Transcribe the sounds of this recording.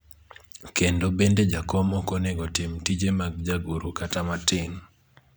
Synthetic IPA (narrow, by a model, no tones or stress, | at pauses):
kendobended͡ʒakɔmɔkoneɡɔtɪmtid͡ʒemaɡ̚d͡ʒaɡuɾokatamatɪŋ